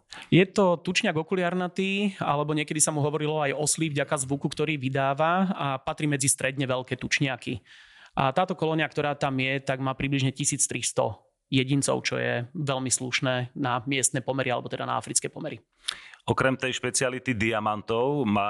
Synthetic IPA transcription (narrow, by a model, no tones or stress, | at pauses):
jɛt̪ɔt̪ut͡ʃɲɪaɡɔkulɪaɾnat̪iːa̰lɛbɔɲɪɛkɛd̪isamuɦɔʋɔɾilɔajɔsliːvɟakazʋukukt̪ɔɾiːʋid̪aːʋaapat̪ɾiːmɛd͡zist̪ɾɛd̪ɲɛʋɛlkɛːt̪ut͡ʃɲɪakḭʔa̰t̪aːt̪ɔkɔlɔɲakt̪ɔɾaːt̪amjɛt̪aɡmaːpɾibliʒɲɛcisiːt͡st̪ɾist̪ɔ̰ | jɛɟint͡sɔ̰ʊt͡ʃɔ̰jɛ̰ʋɛlmisluʃnɛːnamɪɛst̪nɛːpɔmɛɾʔialɛbɔt̪ɛd̪a̰na̰a̰fɾit͡skɛjpɔmɛɾi | ɔkɾɛmt̪ɛjʃpɛt͡sialit̪id̪iamant̪ɔʊma